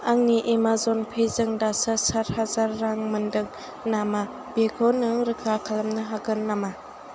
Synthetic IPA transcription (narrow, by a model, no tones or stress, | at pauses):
aŋniʔemazɔnpʰejzɯŋdasasaɾ̚hazaɾːaŋmɐndɯŋ | nama | b̥ekʰɔnɯɾɯkʰakʰalɐmnɯɦaɡɯnːama